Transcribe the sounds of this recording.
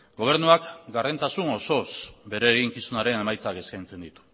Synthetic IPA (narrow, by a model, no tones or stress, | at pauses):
ɡo̞β̞e̞ɾnuakɡare̞nt̪asuno̞so̞sbe̞ɾe̞ːɣiŋkisunaɾe̞ne̞majt͡sake̞skajnt͡se̞nd̪it̪u̥